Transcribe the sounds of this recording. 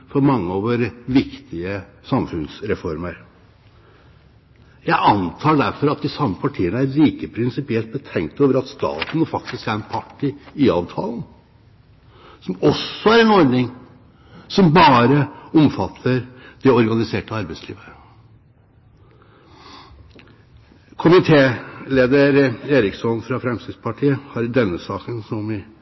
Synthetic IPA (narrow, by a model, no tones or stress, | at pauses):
fɔɾmɑŋːəɔʋoːɾʋɪkt̪ʰɪəsɑmfʉnsɾɛfɔɾməɾ | jæɪʔɑnt̪ʰɑːɖæɾfɔɾɑt̪̚d̪ɪsɑmːəpʰɑʈʰiːənəæɾɭiːkəpʰɾɪnsɪpɪɛlt̪̚bət̪ʰɛŋkt̪oːʋəɾɑt̪st̪ɑ̰ːt̪n̩fɑk̚t̪ɪskæɾɛnpʰɑʈʰːiɪɑːʋt̪ʰɑ̰ːln̩ | sɔmɔsːɔæɾɛnɔɾɖnɪŋ | sɔmbɑːɾəɔmfɑt̪ʰːəɾd̪̥ɛɔɾɡɑnɪseːʈəɑɾbæɪslḭːʋə | kʰʊmɪt̪ʰeːleːd̪əɾeːɾɪksɔnfɾɑfɾɛmsɪspʰɑʈʰiːəhɑɾd̪ɛnːəsɑːkənsɔmʋɪ